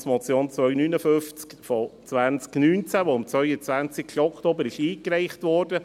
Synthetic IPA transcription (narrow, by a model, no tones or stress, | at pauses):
smɔt͡sjoːnt͡sʋœʏnyːnəfʏft͡skfɔt͡sʋænt͡sknyːnt͡sæʋoʊmt͡sʋœʏət͡sʋænt͡sɪkʃɔktoːbəɾɪʃiːkɾɛɪχtʋɔːɾd̥ə